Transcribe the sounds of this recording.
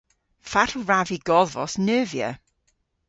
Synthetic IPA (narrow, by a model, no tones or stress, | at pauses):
fat̩ʰraviɡɔðvɔ̰snəːvjə̰